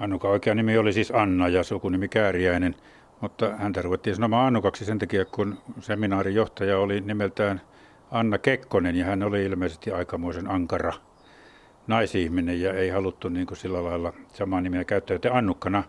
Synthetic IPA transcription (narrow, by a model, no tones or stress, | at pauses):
ɑnːukɑoikeɑnimiolisiːsɑnːɑjɑsukunimikæːriæinen | mut̪ːɑhænt̪æruʋet̪ːiːnsɑnomɑːɑnːukɑksisent̪ækiækkunseminɑːrijoht̪ɑjɑolinimelt̪æːn | ɑnːɑkekːonenjɑhænoliilmeisest̪iɑikɑmoisenɑŋkɑrɑ | nɑisihminejjɑeˑihɑlut̪ːuniːŋkusilːælɑilːɑsɑmɑːnimiækæyt̪ːæːjot̪ːeɑnːukːɑnɑ